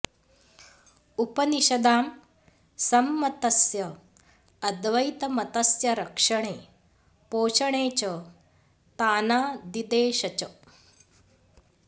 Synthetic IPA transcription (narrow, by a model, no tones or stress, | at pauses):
upɐniʃɐd̪aːm | sɐmːɐt̪ɐsjɐ | ɐd̪ʋɐjt̪ɐmɐt̪ɐsjɐɾɐkʂɐɳ̃eː | poːʃɐɳeːt͡ʃɐ | t̪aːnaːd̪id̪eːʃɐt͡ʃɐ